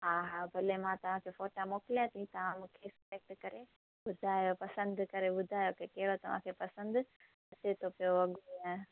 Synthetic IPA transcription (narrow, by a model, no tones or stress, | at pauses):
ɦaːɦabʱɐlemãt̪ɐʋ̤ãkʰefoːʈamoːkɪlijãt̪ʰĩt̪ɐʋ̤ãmũːkʰeslek̚ʈkɐɾe | ɓʊd̪ʱaːjopɐsə̃nd̪kɐɾeɓʊd̪ʱaːjokekɐɦɪɽot̪ɐʋ̤ã̰kʰepɐsə̃nd̪ | ɐt͡ɕet̪ʰopijoɐɡuiã